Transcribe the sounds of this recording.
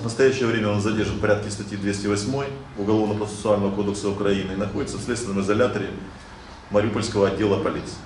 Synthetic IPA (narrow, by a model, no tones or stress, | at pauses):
vnəst̪ɐjæɕːɪjəvɾʲemʲəo̞nzɐdʲe̞rʐɨnpɐɾʲat̪̚kʲɪst̪ɐtʲjid̪vʲesʲtʲɪvɐsʲmo̞j | ʊɡɐlˠo̞vnəpɾət̪sʲɨ̥sʊalʲnəvəko̞d̪əksəʊkɾɐinɨinɐxo̞dʲɪt̪səfsʲlʲet̪st̪vʲɪnəmɨzɐlʲat̪əɾʲɪ | mɐɾʲɪupəlʲskəvəɐdʲːelˠəpɐlʲit̪sɨ̥